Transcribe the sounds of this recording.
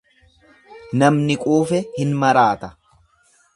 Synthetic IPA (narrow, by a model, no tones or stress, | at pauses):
nɐmnɪkʼuːfɛhɪnmɐɾaːt̪ɐ̥